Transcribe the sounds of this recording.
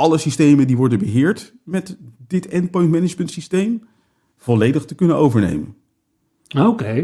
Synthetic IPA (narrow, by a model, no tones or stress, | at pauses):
ɑləsistejməndiʋɔɹdənbəɦɪːɹt | mɛtdɪtɛnpɔjntmɛnɪd͡ʒməntsistejm | v̥ɔlejdəχtəkɵnənowvəɹnḛjmə̰n | owke